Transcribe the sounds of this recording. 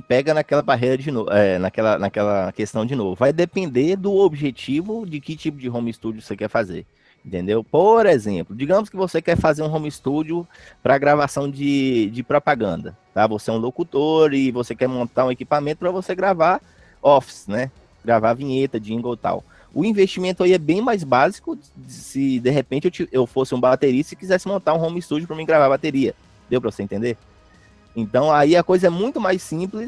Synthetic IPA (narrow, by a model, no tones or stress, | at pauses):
ɪpɛɡɐnakɛlɐbaɦejɾɐd͡ʒɪnoɛnɐkɛlɐnɐkɛlɐkest̪ɐ̃w̃d͡ʒɪnovʊvajd̪epẽnd̪eɾd̪ʊobiʒet͡ʃivʊd͡ʒɪkɪt͡ʃipʊd͡ʒɪɦõmist̪ud͡ʒʊosekɛɾfazḛɾ | ẽnt̪ẽnd̪ewpoɾezḛ̃plʊd͡ʒiɡɐ̃mʊskɪvosekɛɾfazeɾũɦõmist̪ud͡ʒʊ | pɾɐɡɾavasɐ̃w̃d͡ʒɪd͡ʒɪpɾɔpaɡɐ̃nd̪ɐt̪avoseɛũlokut̪oɾɪvosekɛɾmõnt̪aɾũekipamẽnt̪ʊpɾɐvoseɡɾava | ɔfi̥snɛ | ɡɾavavĩɲet̪ɐd͡ʒĩŋɡowt̪a̰w | ʊĩveʃt͡ʃimẽnt̪ʊaiɛbẽj̃majzbazikʊsɪd̪eɦepẽnt͡ʃɪewt͡ʃiewfosɪũbat̪eɾist̪ɐɪkizɛsɪmõnt̪aɾũɦõmist̪ud͡ʒʊpɾɐmĩɡɾavaɾbat̪eɾiɐ | d̪ewpɾɐvosẽt̪ẽd̪eɾ | ẽt̪ɐ̃w̃aiɐkojzɐɛmũj̃t̪ʊmajsĩplɪs